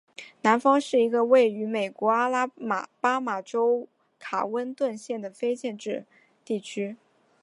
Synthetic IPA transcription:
na˧˥nfɑ˥ŋʂɻ̩˥˩i˧˥ɡə˧we˥˩ɪy˧˥me˨˩ɪkwɔ˧˥a˥la˥˩pa˥ma˨˩ʈ͡ʂo˥ʊ | kʰa̰˨˩wə˥nt̪wə˥˧nɕjɛ˥˩nd̪ə˩fe˥ɪt͡ɕjɛ˥˧nʈ͡ʂɻ̩˥˧ | t̪i˥˩t͡ɕʰy˥

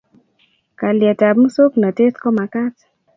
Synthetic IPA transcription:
ka˨lja˨ta˨bmu˦so˦kna˨te˦tkɔ˦ma˨ka˦t

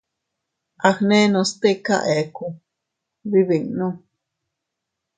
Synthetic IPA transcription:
ʔa˨xnẽ˦nõ˧st̪e˦ka̰˧ʔe˨ku˧ | βi˦βi˨ŋnũ˦

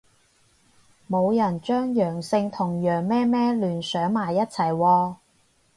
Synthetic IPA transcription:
mo˨˧wjɐ˨˩nt͡ʃœː˥ŋjœː˨˩ŋsɪ˧ŋt̪ʰʊ˨˩ŋjœː˨˩ŋmɛː˥mɛː˥lyː˨˩nsœː˨˥ŋmaː˨˩jːɐ˥t̚t͡sʰɐ˨˩jwɔː˧

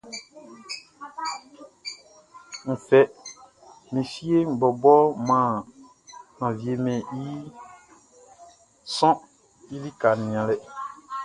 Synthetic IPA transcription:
m̩˨fɛ˦ | mẽ˨fi˦e˦m̩˨bɔ˨bɔ˦mã˨ | nã˨vi˨e˨mɛ̃˨ji˦ | sɔ̃˦ | i˦li˦ka˨nĩ˨ã˨lɛ˨

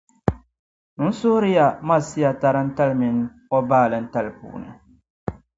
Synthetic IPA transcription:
nʊ˦n̩˦sʊ˦hʊ˦ɾɪ˦ja˨ma˦˨si˦ja˨ta˦ɾɨ˦n̩˦ta˦lmɪ˨ŋ˦ | ɔ˦baː˦˨lɨ˦n̩˦ta˦lpṵː˨nɨ̰˨

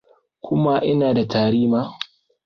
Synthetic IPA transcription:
kʷʰʊ˦ma˦ʔɪ˦naː˨da˨tʰaː˨ɽiː˦maː˦

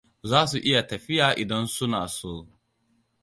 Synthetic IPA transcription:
zaː˦s̬u˨ʔɪ˦ja˨tɐ˨ɸɪ˦jaː˨ʔɪ˨dɐ˦nsʊ˦naː˨soː˦

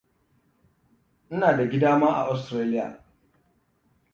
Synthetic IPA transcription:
ʔɪ˦naː˨da˨ɡʲɪ˦daː˦maː˦ʔa̰˨ʔa˦steː˦lɪ˦ja̰ː˨

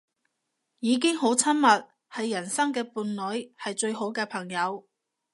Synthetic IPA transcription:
jiː˨˧k̬ɪ˥ŋɦo˨˥wt͡sʰɐ˥nmɐ˨t̚ | hɐ˨jːɐ˨˩nsɐ˥ŋkɛː˧puː˧nlɵ˨˥ɥhɐ˨jt͡ʃɵ˧ɥɦo˨˥wkɛː˧pʰɐ˨˩ŋjɐ˨˧w

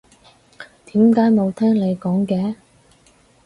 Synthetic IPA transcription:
t̪iː˨˥mkaː˨˥jmo˨˧wt̪ʰɛː˥ŋle˨˧jkɔː˨˥ŋkɛː˨˧˥

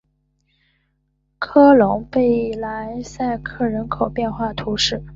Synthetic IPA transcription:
kʰɤ˥lʊ˧˥ŋpe˥˩ɪla˧˥nsa˥˧ɪkʰɤ˥˩ɻə˧˥nkʰo˨˩ʊpjɛ˥˧nxwa˥˩t̪ʰu˧˥ʂɻ̩˥˩

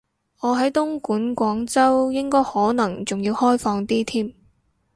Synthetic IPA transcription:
ɔː˨˧ɦɐ˨˥jt̪ʊ˥ŋkuː˨˥nkʷɔː˨˥ŋt͡sɐ˥wjɪ˥ŋkɔː˥jhɔː˨˥nɐ˨˩ŋt͡sʊ˨ŋjiː˧whɔː˥jfɔː˧ŋt̪iː˥t̪ʰiː˥m

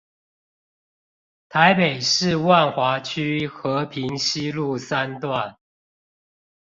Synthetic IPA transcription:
t̪ʰa˨˦ɪpe˨˩ɪʂɻ̩˥˨wa˥˨nxwa˨˧˥t͡ɕʰy˥xɤ˨˦pʰi˨˦ŋɕi˦lu˥˨sa˦nt̪wa˥˨n

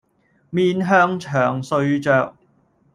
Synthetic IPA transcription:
miː˧nɦœː˥ŋt͡ʃʰœː˨˩ŋsɵ˧ɥt͡ʃœː˧k̚

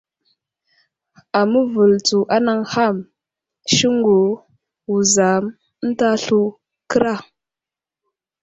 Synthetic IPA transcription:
a˨mə˦və˨lt͡su˨ʔa˦na˦ŋha˦˨m | ʃi˦ŋɡu˨ | wu˨za˨m˦ | n̩˦ta˦ɬu˦ | kə˦ɾa˦˨

